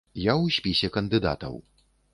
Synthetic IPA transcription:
jawsʲpʲisʲɛkɐnd̪ɨd̪a̰t̪ɐ̰w

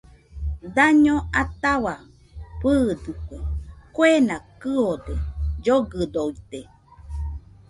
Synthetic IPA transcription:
d̪aɲoat̪awa | pɨːd̪ɨkʷekwenakɨod̪ed͡ʒoɡɨd̪oit̪e

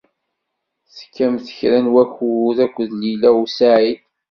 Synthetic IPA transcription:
θə̥kːæmθə̥çɾænwæçuðækʷːəðlilæusaʕiθ

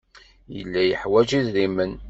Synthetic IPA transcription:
jə̰lːæjəħwæd͡ʒiðɾimən

